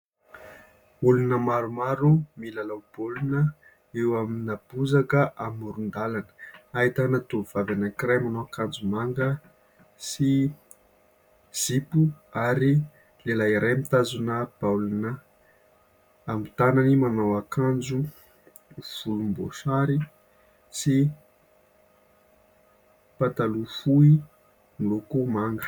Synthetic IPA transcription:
ulunəmaɾumaɾumilalab̥olunə | ewaminab̥uzakəʔamuɾund̪alanə̥ait̪anat̪uv̥avanakiɾajmanowakand͡zumaŋɡə | si | z̥ipuaɾi | lelaiɾʔamit̪azunəb̥awlunə | mit̪ananimanawakand͡zu | v̥ulumbo̰saɾi | si | pat̪alufui | milukumaŋɡə̥

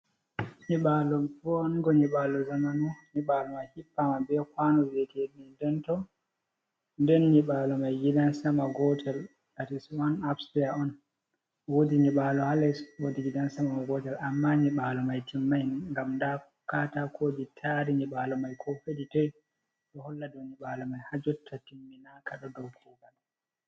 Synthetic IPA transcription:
ɲiɓalɔbɔnɡɔɲiɓaːlɔzamanuɲiɓalɔmajhipːamabɛkwaːnɔzɛkeɗidɛntɔ | ndɛnɲiɓalɔmajɡidansamaɡɔtʰɛl | atiswanapstijaɔn | wodiɲiɓaːlɔhalɛswodiɡidansamaaɡɔtɛlamːaɲiɓalɔmajtʰimːajŋɡamnda | katakʰoːd͡ʒitʰaɾiɲiɓalɔmajkʰɔfeɗitɔj | ɗɔhɔlːadɔniɓalɔmajhad͡ʒɔtʰːatimːinaːkaɗɔdɔwkʰuːɡaɗ

